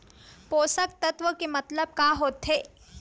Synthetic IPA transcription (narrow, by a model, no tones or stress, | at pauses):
poːsək̚t̪ɐt̪ʋəkemɐt̪ləb̚kaːɦoːt̪ɦe